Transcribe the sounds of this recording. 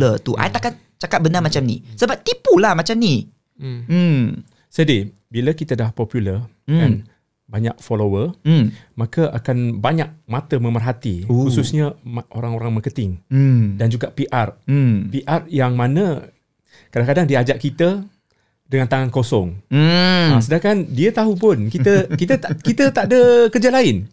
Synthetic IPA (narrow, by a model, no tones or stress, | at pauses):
ət̪uʔa̰jt̪akan | t͡ʃakat̪̚bənamat͡ʃamnḭsəbap̚t̪ipulahmat͡ʃamni | sədi | biləkit̪ədahpɔpjulər | an | baɲa̰k̚folowərmakəʔakanbaɲak̚mat̪əmə̃mərɦat̪ihussusɲaʔoɾaŋoɾaŋməkət̪ɪŋdand͡ʒuɡapiʔarpiʔarjaŋmanə | kadaŋkadaŋdiad͡ʒaʔkit̪ə | dəŋant̪aŋankosɔŋ | ãsədakandiət̪aɦupʊnkit̪əkit̪əkit̪ət̪aʔdəkərd͡ʒalaɪn